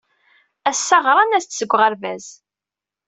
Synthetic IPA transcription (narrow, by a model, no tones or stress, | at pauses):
æsːɑʁɾˤɑnæst͡s̪ːsəɡʷːʁəɾvæz̥